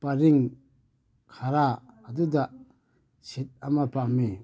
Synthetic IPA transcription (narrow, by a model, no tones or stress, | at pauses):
paɾiŋ | kʰaɾaːduda | sit̚amapami